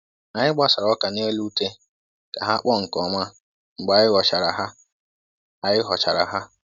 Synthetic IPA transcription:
a˨ɲɪ˦ɡ͡ba˦˨sa˨ɾɔ˦ka˨ne˦lu˦te˦ | ka˨ɦa˦k͡pɔ˦ŋ̩˨kɔ˨ma˦ | ŋ͡m̩˨ɡ͡ba˨˦ɪ˦ɣɔ˨t͡ʃa˨ɾa˨ɦa˦ | a˨jɪ˦ɦɔ˨t͡ʃa˨ɾa̰˨ɦa˦

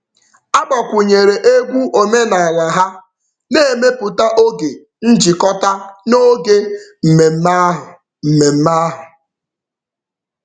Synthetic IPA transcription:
a˦ɡ͡ba˨kʷu˨ɲe˨ɾe˨ʔe˦ɡʷu˦ʔo˨me˦na˨la˨ɦa˦ | ne˦e˦˨me˦pʊ˨ta˦ʔo˦ɡe˨ | n̩˦d͡ʒi˨kɔ˦ta˦no˦ɡe˦m̩˨me˨m̩˦ma˦ɦʊ˨ | m̩˨me˨m̩˦ma˦ɦʊ˨

